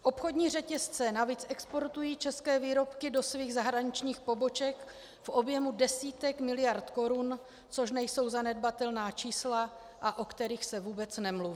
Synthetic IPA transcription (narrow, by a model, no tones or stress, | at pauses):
ʔo̞pxo̞dɲiːr̝ɛcɛst͡sɛnaviːt͡sʔɛkspo̞ɾt̪ujiːt͡ʃɛskɛːviːɾo̞pkɪdo̞sviːɣzaɦɾaɲɪt͡ʃɲiːxpo̞bo̞t͡ʃɛk | fʔobjɛmudɛsiːt̪ɛkmɪlɪjaɾt̪ko̞ɾun | t͡so̞ʃnɛjso̞wzanɛdbat̪ɛlnaːt͡ʃiːsla | ʔaʔo̞kt̪ɛɾiːxsɛvuːbɛt͡snɛmluvi